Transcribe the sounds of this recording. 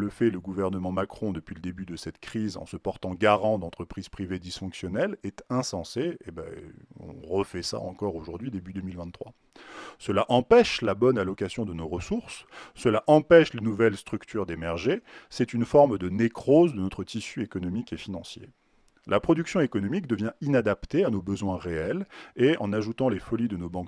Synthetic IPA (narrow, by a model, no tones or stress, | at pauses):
ləfɛləɡuvɛʁnəmɑ̃makχɔ̃d̪əpɥiləd̪ebyd̪əsɛt̪kχizɑ̰̃səpɔʁt̪ɑ̃ɡaʁɑ̃d̪ɑ̃t̪χəpχiz̥pχived̪isfɔ̃ksjɔnɛlɛt̪ɛ̃sɑ̃seeba̰ɔ̰̃ʁəfɛsa̰ɑ̃kɔʁoʒuʁd̪ɥid̪ebyd̪əmilvɛ̃χwa̰ | səlaʔɑ̃pɛʃlabɔnalɔkasjɔ̃d̪ənoʁəsuʁsːəlaʔɑ̃pɛʃlenuvɛlst̪χykt̪ʰyʁd̪emɛʁʒesɛt̪ynfɔʁmd̪ənekχozd̪ənɔt̪χət̪isyekɔnɔmikefinɑ̃sjḛ | lapχɔd̪yksjɔ̃ekɔnɔmikd̪əvjɛ̃inad̪apt̪eanobəzwɛ̃ʁeɛleɑ̰̃naʒut̪ɑ̃lefɔlid̪ənobɑ̃k